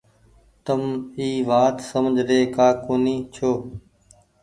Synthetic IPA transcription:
t̪əmiːʋaːt̪səmd͡ʒʱɾeːkaːkoːniːt͡ʃʰoː

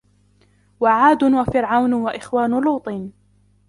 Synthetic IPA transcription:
waʕaːd̪ʊwafɪɾʕawnwaʔɪxwaːnʊluːt̪ˤiːn

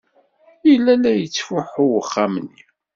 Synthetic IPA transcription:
ilːælæjət͡sːfʊħʊwəχːamənːi

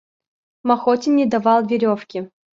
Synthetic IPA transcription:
mɐxotʲɪnʲːɪd̪ɐvɑlˠvʲɪɾʲofkʲɪ

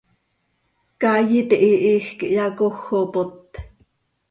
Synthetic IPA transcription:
kɑːjit̪iʔiʔiːxkiʔjɑkoxːopot̪

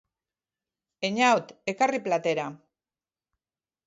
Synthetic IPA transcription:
eɲawt̪e̞kariplat̪e̞ɾa

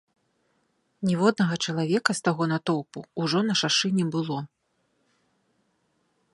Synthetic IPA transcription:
nʲɛvɔd̪nɐɣɐt͡ʂɐlˠavʲɛkɐst̪aɣɔnat̪ɔwpṵːʐɔnɐʂaʂɨnʲɛbɨlˠɔ

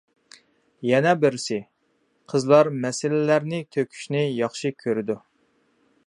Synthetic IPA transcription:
jɛnɛbɪɾsɪ | qʰəzlˠɑɾmɛsɪlɪlæɾnɪt̪ʰøkʲʰy̥ʃnɪjɑχʃɨkʲʰøɾɪd̪u

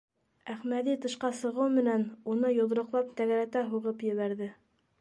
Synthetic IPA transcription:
æχmæðit̪ɤ̆ʃqɑsɤ̆ʁɤwmɘ̆nænunɤjŏðɾɤ̆qlˠɑp̚t̪æɣæɾæt̪æɦuʁɤpjɘ̆βæɾðɘ

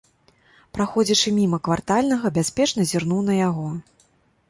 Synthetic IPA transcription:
pɾaxɔd͡zʲit͡ʂɨmʲimɐkvart̪alʲnɐɣɐbʲasʲpʲɛt͡ʂnɐzʲirn̪uwnɐjaɣɔ

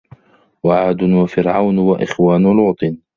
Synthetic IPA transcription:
waʕaːd̪ʊwafɪɾʕawnwaʔɪxwaːnʊlʊʕt̪ˤɨn

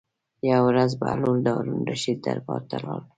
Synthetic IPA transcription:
jawɾazba̰luld̪awɾunɾaʃid̪̚d̪a̰ɾbɑɾt̪alɑl

